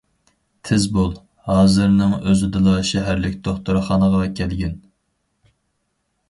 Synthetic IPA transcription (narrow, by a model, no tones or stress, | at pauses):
t̪ʰɪzbolˠ | hɑːzɨɾnɨŋøzɪd̪ɨlˠɑʃɛɦæɾlɪkʲd̪ʰoχt̪uɾɨχɑnəʁɑkʲʰɛlɡʲɛn